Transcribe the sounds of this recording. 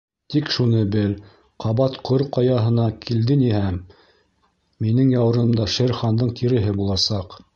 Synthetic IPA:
t̪ikʃunɤbɘl | qʰɑβɑt̪qʰoɾqɑjɑɦɤ̆nɑkʰild̪ɘnihæm | inɘŋjɑw̆ɾɤ̆md̪ɑʃeɾχɑnd̪ɤɴkiɾɘ̆ɦɘbulˠɑsɑq

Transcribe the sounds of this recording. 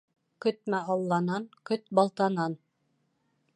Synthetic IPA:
kɵ̆t̪̚mæʔɑlˠːɑnɑnkɵt̪̚bɑlˠt̪ɑnɑn

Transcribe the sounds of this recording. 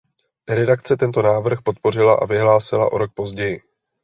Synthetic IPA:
ɾɛdakt͡sɛt̪ɛnt̪o̞naːvr̩xpo̞t̪̚po̞r̝ɪlaʔa̰vɪɦlaːsɪlaʔo̞ɾo̞k̚po̞zɟɛjɪ

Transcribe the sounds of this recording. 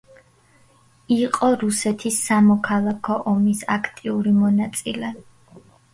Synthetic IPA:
iqʼɔɾusɛt̪ʰisːamɔkʰalˠakʰɔʔɔmisakʰt̪ʼiuɾimɔnat̪sʼilɛ

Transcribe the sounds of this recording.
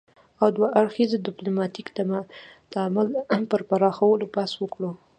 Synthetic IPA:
awd̪waʔaɽxizad̪ɪplomɑt̪ikt̪amad̪̥əamalpəɾpaɾɑxawəlopaswəkɽo

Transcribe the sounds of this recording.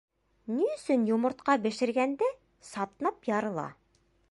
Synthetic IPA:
niɵ̆sɵnjŏmɤ̆ɾt̪qɑbɘ̆ʃɘ̆ɾɡænd̪æ | sɑt̪nɑpjɑɾɤ̆lˠɑ̰

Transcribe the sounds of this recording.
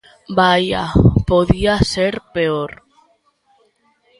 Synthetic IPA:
baja̰poðiaseɾpeoɾ

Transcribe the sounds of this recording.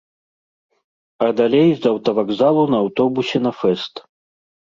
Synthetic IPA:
ɐd̪alʲejzɐwt̪ɐvaɡzalˠunɐːwt̪ɔbusʲɛnɐfɛst̪

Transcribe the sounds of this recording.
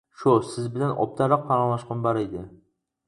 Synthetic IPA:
ʃʊsɪzbɪlanɒ̰p̚t̪ʰaɾɑq̚pʰaɾɑlˠaʃqɨmbaɾejd̪ɪ

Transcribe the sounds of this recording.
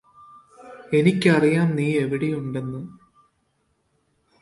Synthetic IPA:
e̞nikʲːɨɐrijaːmniːe̞ʋiɽijuɳɖe̞nːɨ

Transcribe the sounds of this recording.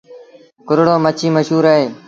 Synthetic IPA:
kʊɾɽoːmət͡ʃʰiːməʃɦuːɾaːɦeː

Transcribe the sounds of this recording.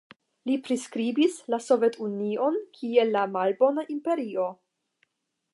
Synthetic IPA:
lipɾiskɾibislaso̞ve̞tunio̞nkʰielːamalbo̞naʔimpe̞ɾio̞

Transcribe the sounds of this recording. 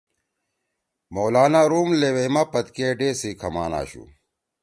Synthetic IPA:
moːlaːnaɾuːmleːwemaːpɐt̪keːɖeːsiːkʰɐma̰ːna̰ːɕṵ

